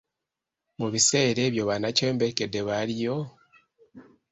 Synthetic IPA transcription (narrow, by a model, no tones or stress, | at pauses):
muβise̞ːɾe̞ːβjo̞βanace̞ːmbekedeβaɾijo̞